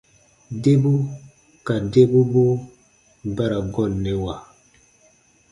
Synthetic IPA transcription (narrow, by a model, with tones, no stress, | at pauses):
de˦bu˦ | ka˨de˦bu˦bo˦ | ba˦ɾa˨ɡɔ˦˨lnːɛ˨wa˨